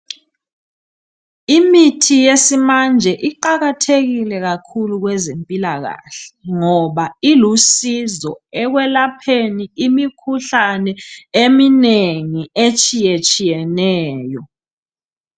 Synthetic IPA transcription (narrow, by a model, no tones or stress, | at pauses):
imitʰijesimand͡ʒʱɛʔiǃaɣatʰeɣilɛɣakʰuluɣwɛzempʼilaɣa̰ɬɛ̥ŋɔβailusizɔɛɣwɛlapʰeniimikʰuɬanɛemineŋiet͡ʃʼijet͡ʃʼijɛnɛːjɔ